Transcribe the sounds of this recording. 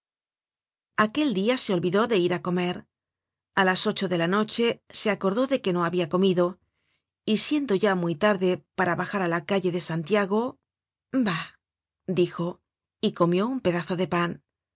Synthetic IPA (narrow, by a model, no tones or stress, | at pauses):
ake̞ld̪iase̞o̞lβiðo̞ðe̞iɾako̞me̞ɾ | alaso̞t͡ʃo̞ðe̞lano̞t͡ʃe̞se̞ako̞ɾðo̞ðe̞ke̞no̞aβiako̞miðo̞ | isje̞nd̪o̞ʝamujt̪aɾðe̞paɾaβaxaɾalakaʎe̞ðe̞sant̪jaɣo̞ | ba | d̪ixo̞ | iko̞mjo̞umpe̞ðaθo̞ðe̞pan